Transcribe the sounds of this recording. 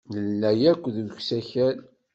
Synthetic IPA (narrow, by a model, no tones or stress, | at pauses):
ləlːæjækʷːðəçsæçæl